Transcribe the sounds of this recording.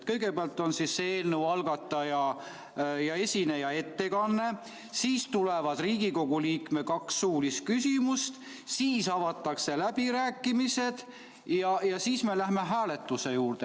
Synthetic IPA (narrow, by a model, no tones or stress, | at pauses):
t̪kɤjɡ̥e̞peɑlt̪ːˑo̞nsisːeːlnewɑlɡ̥ɑt̪ˑːɑjɑ | jɑe̞sʲinejɑe̞t̪ːe̞kɑnːe̞ | siːst̪ulevɑd̪̥riːɡ̥iko̞ɡ̥uliːkme̞kɑksːuːlist̪̚kysimust̪ | siːsɑvɑt̪ˑːɑkse̞læb̥iɾæːkːˑimise̞d̪̥ | jɑjɑsiːsme̞læɦme̞ɦæːle̞t̪ːˑuse̞juːrd̪e